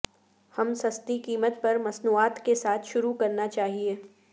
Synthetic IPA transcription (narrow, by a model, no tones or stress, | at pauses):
hɐmsɐst̪ikiːmət̪pɐɾmɐsnuːaːt̪kesaːt̪ʰʃʊɾukɐɾnat͡ʃaːɦieː